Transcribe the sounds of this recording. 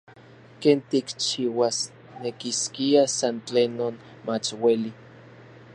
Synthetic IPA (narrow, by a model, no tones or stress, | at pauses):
keːnt̪ikt͡ʃiːwas | nekiskiasant͡ɬenːoːn | mat͡ʃweli